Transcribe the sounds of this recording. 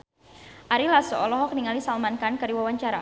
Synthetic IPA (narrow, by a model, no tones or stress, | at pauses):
ʔaɾilasɔɔlɔɦɔk̚niŋalisalmankankəɾiwawaɲt͡ʃaɾa